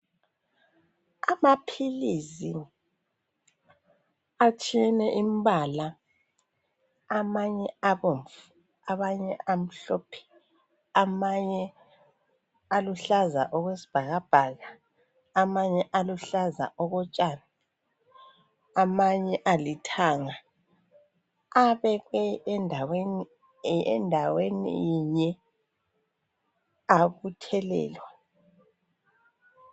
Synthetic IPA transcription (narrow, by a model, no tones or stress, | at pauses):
amapʰilisi | at͡ʃʰʼiɛnɛʔimbala | maɲɛaβoɱfu | aβaɲɛ̰am̩ɬɔːpʰɛ̥ | amaɲɛ | aluɬaza̰ʔɔɣwesi̥b̥ʱaɣab̥ʱaɣaː | maɲɛʔaluɬaza̰ʔɔɣɔt͡ʃʼaːna | amaɲɛʔalitʰaŋa | aβɛɣwɛndʱaweni | ɛ̰ndʱawenḭjiɲɛ | aβutʰɛlɛ̰ːlwa